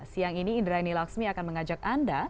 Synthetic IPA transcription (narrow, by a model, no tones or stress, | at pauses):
siaŋiniːndɾajnilaksmiakanməŋad͡ʒak̚anda